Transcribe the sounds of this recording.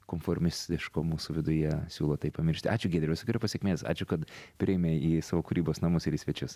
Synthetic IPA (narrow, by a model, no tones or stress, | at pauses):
koːmfoɾʲmʲɪsʲt̪ʲɪʃkoːmuːsʊʋʲɪd̪ʊjɛsʲṵːlˠoːt̪ɐɪppɐmʲɪɾʲʃʲt̪ʲɪʔɑːt͡ʃʲʊɡʲeːd̪ʲɾʲɛsʊkʲɪɾʲʊpɐsʲeɛkmʲeːsɑ̰ːt͡ʃʲʊkɐt̪pʲɾʲɪjɛmʲeːiːsɑːʋoːkʊɾʲiːboːsnɐmʊsɪɾiːsʲʋʲɛt͡ʃʲʊs